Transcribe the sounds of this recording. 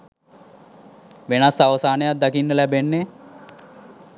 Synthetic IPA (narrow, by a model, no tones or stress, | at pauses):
ʋenasaʋəsaːnejat̪̚d̪akinːəlæbenːe